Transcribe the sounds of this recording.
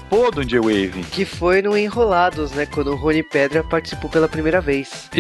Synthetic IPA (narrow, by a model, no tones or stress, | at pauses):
pod̪õd͡ʒɪewevɪkɪfojnʊẽɦolad̪ʊznɛkwɐ̃nd̪ʊɦõnipɛd̪ɾɐpaɾt͡ʃi̥si̥powpelɐpɾimejɾɐvejs